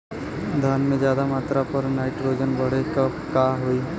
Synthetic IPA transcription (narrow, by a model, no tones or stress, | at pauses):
d̪ʱjaːnmẽd͡ʒjaːd̪amaːt̪ɾapəɾnaːɪʈɾoːd͡ʒənbəɽ̤ekəpkaːɦoiː